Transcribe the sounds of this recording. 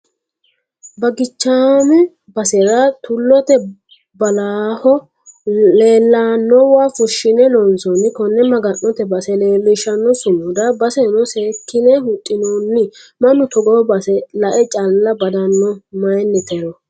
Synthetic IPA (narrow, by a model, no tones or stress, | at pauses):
bɐɡɪt͡ʃːaːmɛ | bɐsɛɾat̪ʊlːɔt̪ɛ | bɐlaːhɔ | leːlːaːnːɔwaːfʊʃːɪnɛlɔnsɔnɪkɔnːɛmɐɡɐnːɔt̪ɛbɐsɛleːlːɪʃɐnːɔsʊmʊd̪ɐbɐsɛnɔseːkːɪnɛɦʊt̪ʼːɪnoːnːɪmɐnːʊt̪ɔɡɔːbɐsɛlɐʔɛt͡ʃʼalːɐbɐd̪ɐnːɔmɐjnːɛt̪ɛɾɔ